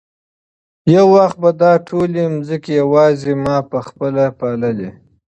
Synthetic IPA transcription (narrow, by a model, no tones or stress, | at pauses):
jawːaxt̪̚bad̪ɑʈʰolemzəkejawɑzemɑpəxpəlapɑlali